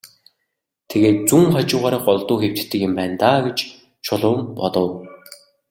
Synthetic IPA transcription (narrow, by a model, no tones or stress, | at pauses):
t̪ʰeɣeːt̪̚t͡suŋχat͡ɕʊːʁaːɾə̆ːχɔɮt̪ʊːxew̥t͡ɕt̪ːɘ̆kjʊmpæːnt̪aːɡet͡ɕ | t͡ɕʰʊɮʊːmpɔt̪ɞ̆w